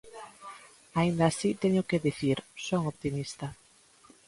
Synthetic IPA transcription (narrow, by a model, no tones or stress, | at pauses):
aind̪asit̪eɲʊkeðiθiɾsoŋoβt̪imist̪ɐ